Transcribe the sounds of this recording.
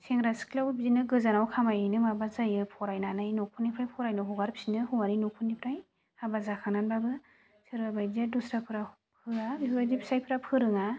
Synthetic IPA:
seŋɾaskʰlawbizinɯɡɯzanawkʰamajɯjnɯmabazajɯpʰɔɾajnanajnokʰunipʰɾajpʰɔɾajnaɦuɡaɾpʰsinɯhuaninokʰunipʰɾaj | habazakʰananbabɯ | sɯɾbabajdiadusɾapʰɯɾa | pʰɯabibajdipʰi̥sajpʰɯɾapʰɯɾɯŋa

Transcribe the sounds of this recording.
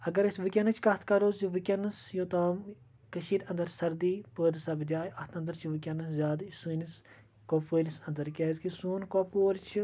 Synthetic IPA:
ɐɡɐɾɐsʋɨkʲɐnɐt͡ʃʰkɐt̪ʰkɐɾoːzjiʋɨkʲɐnːɐsjoːt̪aːm | kɐʃiːɾɐ̃nd̪ɐɾsɐɾd̪iːpəːd̪sɐbd͡ʒaːjɐt̪ʰɐ̃nd̪ɐɾt͡ʃʰiʋɨkʲɐnɐszʲaːd̪sɨːnis | koːfəːlisɐnd̪ɐɾkʲeːzkisuːnkoːpoːɾt͡ʃʰi

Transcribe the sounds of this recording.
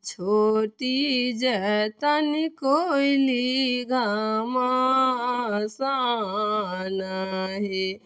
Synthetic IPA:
t͡ʃʰoʈid͡ʒɛt̪anikoiliɡama | sa | naɦe

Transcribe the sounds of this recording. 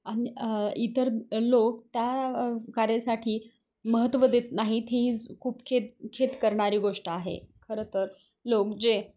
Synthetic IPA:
aɽ̃iit̪əɾlokt̪jakaɾasaʈʰiː | məɦət̪ːʋəd̪et̪naɦit̪ʰeɦiːkʰuːpkʰet̪kʰet̪kəɾɳaɾiːɡoʂʈəaɦḛkʰəɾət̪əɾ | lokd͡ze

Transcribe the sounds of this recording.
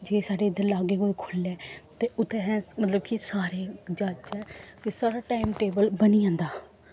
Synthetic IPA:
d͡ʒeːsaːɖeːɪd̪əɾlaːɡeːkoːikʰolɛːt̪eːʊt̪ʰːẽːɦɛ̃ːmət̪ləb̚kʰisaːɾeːd͡ʒat͡ʃɛːkɪsaːɾaːʈaːimʈeːbəlbəniːãːnd̪aː

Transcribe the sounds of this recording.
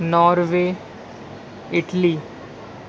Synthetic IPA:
nɔːɾʋeː | ɪʈliː

